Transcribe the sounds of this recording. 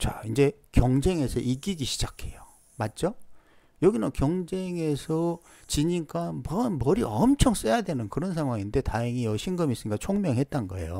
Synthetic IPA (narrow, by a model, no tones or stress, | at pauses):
t͡ɕa̰ind͡ʑe̞kjʌŋd͡ʑe̞ŋe̞sʰʌʔik͈iɡiɕʰi̥d͡ʑakʰe̞jo | mat̚t͡ɕ͈o | jʌɡinakjʌŋd͡ʑe̞ŋe̞sʰʌ | t͡ɕiɲik͈ʰanpʌnmʌɾiʌmt͡ɕʰʌŋs͈ejadwe̞nɯnkɯɾʌnsʰaŋwaŋinde̞taeŋiʌɕʰinɡɯmis͈ɯɲik͈at͡ɕʰoŋmjʌŋɦe̞t̚t͈anɡʌḛjo̰